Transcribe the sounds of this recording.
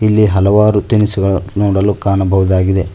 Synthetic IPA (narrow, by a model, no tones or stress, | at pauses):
ilːiɦɐlɐʋaːɾut̪inisuɡɐɭunoːɽɐlːukaːnɐbʱɐʋɐd̪aːɡid̪e